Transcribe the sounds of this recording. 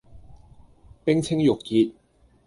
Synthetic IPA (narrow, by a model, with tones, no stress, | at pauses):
pɪ˥ŋt͡sʰɪ˥ŋjʊ˨kːiː˧t̚